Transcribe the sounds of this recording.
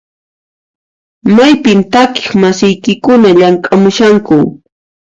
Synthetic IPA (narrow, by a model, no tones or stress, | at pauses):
majpɪmt̪akɪ̥χmasɪjkɪkʊnaʎaŋkʼamʊʃaŋkʊ